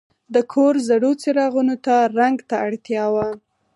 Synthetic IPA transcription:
d̪əkʰoɾzaɽot͡seɾɑɣunot̪aɾaŋɡt̪aaɽt̪jɑwa

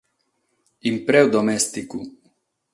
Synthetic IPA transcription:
impɾɛwd̪omɛst̪iku

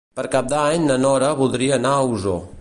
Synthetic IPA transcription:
pəɾkap̚d̪aɲnənɔɾəβulˠd̪ɾiəːnauzo

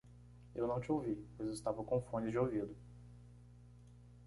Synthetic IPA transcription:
ewnɐ̃w̃t͡ʃɪowvipojzewɪst̪avɐkõfõnɪd͡ʒɪowvid̪ʊ

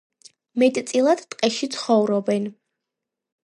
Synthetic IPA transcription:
mɛt̪ʼt̪sʼilˠad̪t̪ʼqʼɛʃit̪sʰχɔvɾɔbɛn

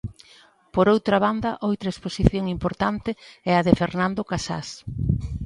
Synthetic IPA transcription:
poɾowt̪ɾaβ̞and̪ɐʔowt̪ɾaesposiθjoŋimpoɾt̪ant̪ɪɛɐðefeɾnãnd̪okasa̰s

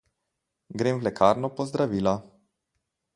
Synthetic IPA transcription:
ɡɾeːmʋlɛkʰaːɾnɔpɔzd̪ɾaʋiːla

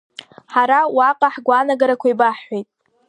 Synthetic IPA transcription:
ħaɾawaqʼaħɡʷanaɡaɾakʷʰaibaħːʷejtʼ

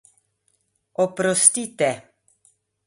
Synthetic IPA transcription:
ɔpɾɔst̪it̪ɛ

